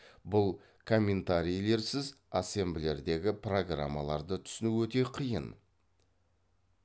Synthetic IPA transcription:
bʊlˠ | kʰo̞mʲːe̞nt̪aɾijle̞ɾsɪzase̞mbɪle̞ɾd̪e̞ɡʲɪpro̞ɡra̰mːalˠɑɾd̪ət̪ʰʏ̥sɪnuwɵt̪e̞qʰijə̰n

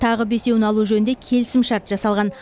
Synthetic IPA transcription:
t̪ʰɑʁəbe̞se̞wɪnɑlˠuʒɵnɪnd̪e̞kʲʰe̞lɪsɪmʃɑɾt̪ʒ̥ɑsɑlˠʁɑn

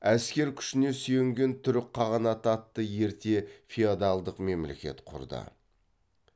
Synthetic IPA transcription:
æskʲe̞ɾkʲʰʏ̥ʃɪne̞syjɪŋɡʲe̞nt̪ʰʏɾɪk̚qʰːɑʁɑnɑt̪ɑt̪ːəje̞ɾt̪e̞fʲiad̪alˠd̪əqme̞mle̞̰kʲe̞̰t̪qʰʊ̰ɾd̪ə̰

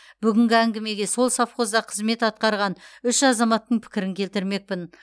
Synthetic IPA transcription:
b̥ʏɡʲɪŋɡʲɪæŋɡʲɪme̞ɡʲe̞so̞lˠsɑfχo̞zd̪ɑqʰəzme̞t̪ɑt̪̚qɑɾʁɑnʏʃɑzɑmɑt̪ːəɴpʰɪ̥kʲɪɾɪŋkʲʰe̞lt̪ɪɾme̞k̚pɪn

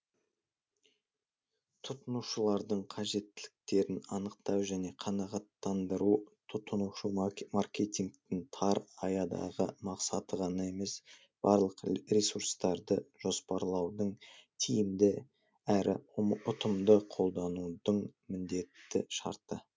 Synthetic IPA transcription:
t̪ʰʊt̪ənuʃəlˠɑɾd̪əɴqʰɑʒe̞t̪ːɪlɪk̚t̪e̞ɾɪnɑnəq̚t̪ɑwʒæne̞qʰɑnɑʁɑt̪ːɑnd̪əɾut̪ʰʊt̪ənuʃəmarkʲet̪iŋkt̪ɪŋt̪ʰɑɾɑjɑd̪ɑ̰ʁəmɑqsɑt̪əʁɑnɑe̞me̞s | b̥ɑɾlˠəqrʲesuɾst̪ɑɾd̪əʒ̥o̞spɑɾlˠɑwd̪əɴt̪ʰijɪmd̪ɪ | æɾʔɪ̰ʊt̪əmd̪əqʰo̞lˠd̪ɑnud̪əɴmɪnd̪e̞t̪ːɪ̰ʃɑ̰ɾt̪ə

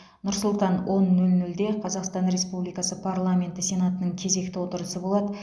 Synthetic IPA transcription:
nʊɾsʊlˠt̪ɑnwʔo̞nːɵlnɵld̪e̞qʰɑzɑqst̪ɑnɾe̞spublijkɑsəpʰaɾlˠamʲe̞nt̪ɪsʲe̞nat̪ənəɴkʲʰe̞ze̞kt̪ɪwo̞t̪əɾəsəbo̞lˠɑd̪ə

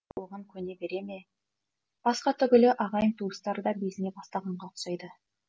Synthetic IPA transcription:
əʁəŋkʲʰɵne̞be̞ɾe̞me̞ | b̥ɑsqɑt̪ʰʏɡʲʏlɪʔɑʁɑjəɴt̪ʰuəst̪ɑɾəd̪ɑbe̞zɪne̞bɑst̪ɑʁɑɴʁɑqʰʊ̥ʃɑjd̪ə

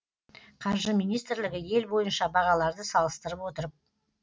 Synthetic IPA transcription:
qʰɑɾʒəmijnijst̪ɾlɪɡʲɪje̞lbo̞jənʃɑbɑʁɑlˠɑɾd̪əsɑlˠəst̪əɾəpwo̞t̪əɾəp̚

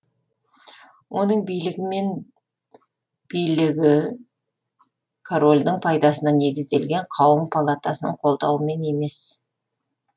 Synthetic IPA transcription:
wʔo̞nəɴbijlɪɡʲɪme̞n | b̥ijlɪɡʲɪ | kʰoɾo̞lʲd̪ɪɴpʰɑjd̪ɑsənɑne̞ɡʲɪzd̪e̞lɡʲeɴqʰɑwəmpʰalˠat̪ɑsənəɴqʰo̞lˠd̪ɑwəme̞ne̞me̞s

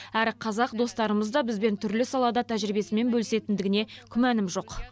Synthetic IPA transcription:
æɾqʰɑzɑqd̪o̞st̪ɑɾəməzd̪ɑbɪzbe̞nt̪ʰʏɾlɪsɑlˠɑd̪ɑt̪ʰæʒɾibe̞sɪme̞nbɵlɪse̞t̪ɪnd̪ɪɡʲɪne̞kʲʰʏmænɪmʒo̞q

